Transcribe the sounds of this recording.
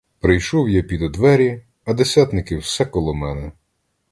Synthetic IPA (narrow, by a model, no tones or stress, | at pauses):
pɾɪjʃɔwjapʲid̪ɔd̪ʋɛɾʲi | ɐd̪esʲat̪nɪkɪwsɛkɔlˠɔmɛnɛ